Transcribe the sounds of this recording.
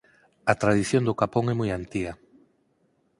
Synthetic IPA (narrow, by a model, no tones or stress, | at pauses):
ɐt̪ɾaðiθjõnd̪ʊkapoŋɛmujant̪iɣɐ